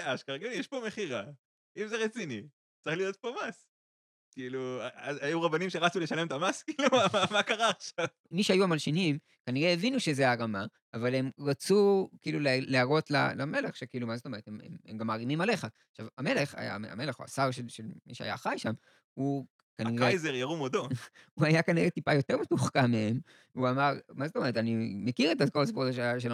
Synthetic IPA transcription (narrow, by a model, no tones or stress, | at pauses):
eaʃkaɡijeʃpo̞meχiʁa | imzeʁet͡sini | t͡sʁiχlijo̞t̪̚po̞mas | kiiluaaajuʁabanimʃeʁat͡suleʃale̞mt̪amaskiːlumaamakaʁaːχʃavmiʃajuamalʃinim | kaniʁeːvinuʃezeaʁama | avale̞mʁat͡sukiiːluleleaʁo̞t̪la̰lame̞leχʃekiilumazot̪o̞me̞et̪hemḛmemɡamːaʁimimale̞χaː | χʃava̰me̞leχa̰ja̰a̰me̞leχoa̰saʁʃelʃelmḭʃea̰ja̰χajʃam | u | kaniʁejzeʁjaʁumod̪ouajakaniʁetipajo̞t̪e̞ʁmetuχkamee̞m | uamaʁmazotome̞ʁet̪animekiʁetakosbodʃʃ̬el